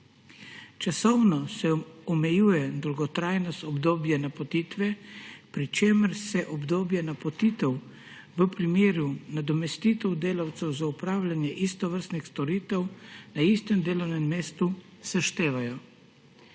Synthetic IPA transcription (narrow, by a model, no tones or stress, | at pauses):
t͡ʃasɔwnɔsɛɔmɛjuːjɛd̪ɔlɡɔt̪ɾaːjnɔst̪ɔbd̪oːbjanapɔt̪iːt̪ʋɛpɾit͡ʃeːməɾsɛʔɔbd̪oːbjanapɔt̪iːt̪ɛw | ʋəpɾimeːɾunad̪ɔmɛst̪iːt̪ɛwd̪eːlawt̪sɛwzaupɾaːwlʲanjɛʔist̪ɔʋəɾst̪nixst̪ɔɾiːt̪ɛwnaist̪ɛmd̪eːlɔwnɛmmeːst̪u | saʃt̪eːʋajɔ